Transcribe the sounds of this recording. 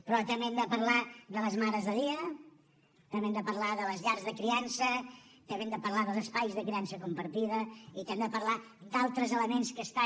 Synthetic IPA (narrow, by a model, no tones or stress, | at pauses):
pɾɔt̪əmɛmd̪əpəɾlaðələzmaɾəzðəðiə | k̪əmɛmd̪əpəɾlaðələzʎaɾzðəkɾiansət̪əmemd̪əpəɾlaðəlˠzəspajzðəkɾiansəkumpəɾt̪iðəit̪ɛmd̪əpəɾla | d̪alˠt̪ɾəzələmenskəst̪a